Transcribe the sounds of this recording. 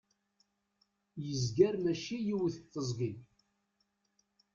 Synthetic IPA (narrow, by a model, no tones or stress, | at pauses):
jəzɡæɾmæʃijiwθət̪ːəzˤɡin